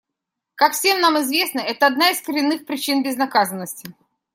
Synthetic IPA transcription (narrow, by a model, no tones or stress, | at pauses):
kakfsʲe̞mnamɪzvʲe̞snəɛt̪əɐd̪naɪskəɾʲɪnːɨxpɾʲɪt͡ɕinbʲɪznɐkazənːəsʲtʲɪ